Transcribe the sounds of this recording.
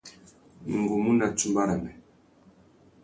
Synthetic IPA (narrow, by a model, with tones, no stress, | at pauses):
ŋ˨ɡu˨mu˦na˨t͡ʃu˦mba˦ɾa˨mɛ˨